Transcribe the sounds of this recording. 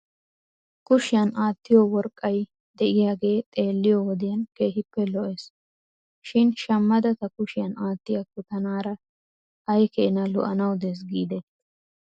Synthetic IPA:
kʊʃɪjɐnaːt̪ːɪjɔwɔɾkʼːɐj | d̪ɛʔɪjaːɡe̞ːt̪ʼe̞ːlːɪjɔwɔd̪ɪjɐnke̞ːɦɪpːɛlɔʔes | ʃɪnʃɐmːɐd̪ɐt̪ɐkʊʃɪjɐnaːt̪ːɪjɐkʊt̪ɐnaːɾɐ | ɐjkɛʔɪnɐlʊ̰ʔɐnɐwd̪es̬ɡiːd̪ɛ

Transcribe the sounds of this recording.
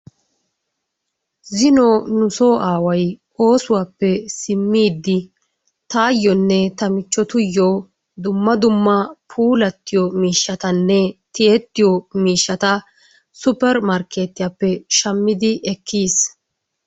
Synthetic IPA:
zɪnɔnʊsoːʔaːwɐj | o̞ːsʊwaːpːɛsɪmːiːd̪ːɪ | t̪aːjːɔnːɛt̪ɐmɪt͡ʃːɔt̪ʊjːɔ | d̪ʊmːɐd̪ʊmːɐpʰuːlɐt̪ːɪjɔmiːʃːɐt̪ɐnːɛt̪ɪet̪ːɪjɔmiːʃːɐt̪ɐ | sʊpɛɾmɐɾke̞ːt̪ɪjapːɛʃɐmːɪd̪ɪʔɛkːiːs

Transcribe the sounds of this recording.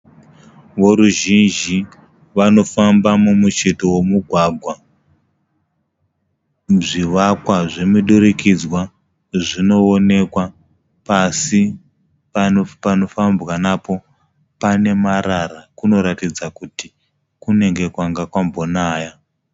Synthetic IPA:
ʋo̞ɾuʒind͡ʒi | ʋano̞fambamumut͡ʃeto̞wo̞muɡʱwaɡʱwa | ʐiʋakwaʐe̞miɗuɾikid͡zwa | ʐino̞one̞kwa | pasi | papano̞fambwanapo̞ | pane̞maɾarakuno̞ɾatid͡zakuti | kune̞ŋɡe̞kwaŋɡakwambo̞naːja

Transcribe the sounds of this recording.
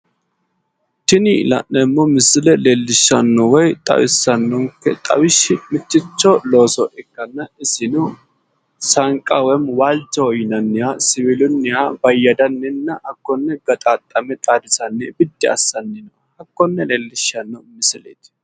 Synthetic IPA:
t̪ɪnɪlɐ̰nːɛmːɔmɪsɪlɛleːlːɪʃːɐnːɔwɔjt̪ʼɐ̰wɪsːɐnːɔŋkːɛt̪ʼɐ̰wɪʃːɪmɪt͡ʃːɪt͡ʃːɔlo̞ːsɔʔɛkːɐnːɐɪsɪnʊ | sɐŋkʼɐwɛmwaːld͡ʒɐɔjɪnɐnːɪjasɪβɪlʊnːɪjabɐjːɐd̪ɐnːɛnːɐʔɐkːɔnːɛɡɐt̪ʼaːt̪ʼːɐmɛt̪ʼaːd̪ɪsɐnːɛbɪd̪ːɛɐ̰sːɐnːɛnɔ | ɐkːɔnːɛleːlːɪʃɐnːɔmɪsɪlḛːt̪

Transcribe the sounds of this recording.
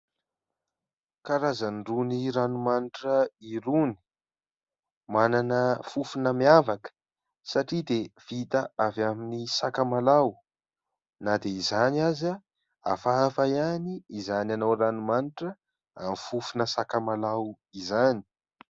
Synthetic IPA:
kaɾazanɖ͡ʐuniɾanumaniʈ͡ʂəiɾuni̥ | mananəfufunəmiavakə̥ | saʈ͡ʂid̪ev̥it̪aavaminisakəmalaw | nad̪eizanaza | a̰faafajaniizananowranumaniʈ͡ʂə | a̰mifufunəsakəmalaw | izani̥

